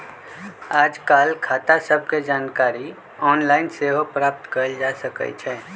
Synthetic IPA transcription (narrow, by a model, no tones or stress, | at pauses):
aːd͡ʒkaːlkʰaːt̪asəb̚ʱked͡ʒaːnkaːɾi | ɔːnlaːɪnseɦopɾaːp̚t̪kəɾəld͡ʒasəkə̰t͡ʃʰɛː